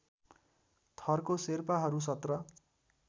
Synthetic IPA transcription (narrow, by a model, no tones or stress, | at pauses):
t̪ʰʌrkoserpaɦʌɾus̬ʌt̪rʌ